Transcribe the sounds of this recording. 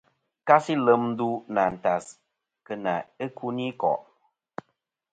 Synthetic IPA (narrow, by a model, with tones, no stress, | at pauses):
ka˦si˦lə˨˦m˦du˦na˨n̩˨ta˨s | kə˧na˨e˦kʰu˦ni˦kɔ̰˨ʔ